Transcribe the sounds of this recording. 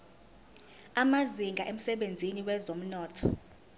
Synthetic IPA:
amaziŋɡʱaʔem̩sɛɓend͡zʱiniwɛzom̩nɔːtʰɔ̥

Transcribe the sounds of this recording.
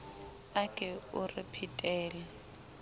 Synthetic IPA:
akʼɛʊrɪpʰitʼɛːlɛ

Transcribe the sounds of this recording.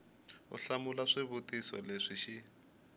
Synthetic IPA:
ʊ̰ɬamʊlaʂɪβʊtʼisɔ̰leʂiʃɪ

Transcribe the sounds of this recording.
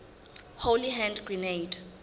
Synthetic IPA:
holiɦɛ̃ndɡrinejd

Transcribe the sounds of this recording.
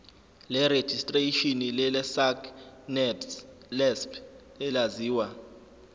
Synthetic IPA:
lɛɾe̥d͡ʒistʼreʃinilɛlɛsaknɛts | lɛspʰ | ɛlaziːwa

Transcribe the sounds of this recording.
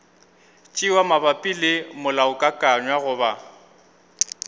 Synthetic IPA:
t͡ʃʼɪwamabapʼilɪmʊlaʊkʼakʼaɲwaɣʊːba

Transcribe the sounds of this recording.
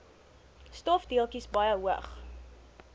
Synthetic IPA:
stɔfdiəlˠkisbɐjəɦuə̰χ

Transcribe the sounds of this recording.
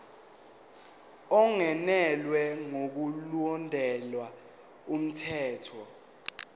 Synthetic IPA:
ɔŋɛnɛlwɛŋok̬ulɔndʱɛlwa | um̩tʰɛːtʰɔ

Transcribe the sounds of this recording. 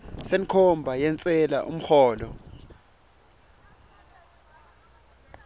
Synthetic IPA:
seŋkʰɔmbʱajɛnt͡sʼɛla̰ʔṵm̩xɔːlɔ

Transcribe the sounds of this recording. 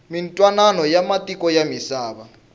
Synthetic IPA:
mintʼwananɔjamatʼikʼɔjamisaːβa

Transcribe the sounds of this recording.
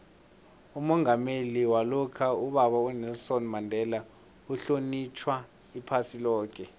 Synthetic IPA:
umɔŋameliwalɔkʰauɓaɓawɛnɛlsɔnmandʱɛla | uɬonit͡ʃʰwa | ipʰasilɔːk̬ʰɛ

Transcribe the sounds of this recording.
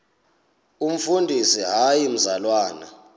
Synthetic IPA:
um̩fundʱisiɦajim̩zalwaːna̰

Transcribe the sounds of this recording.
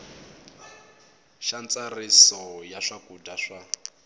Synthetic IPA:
ʃant͡sarisɔjaʂakudaʂa

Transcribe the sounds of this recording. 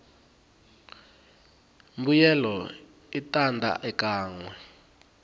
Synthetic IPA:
mbujɛlɔ | itʼandʱa̰ʔɛkʼaːŋwɛ

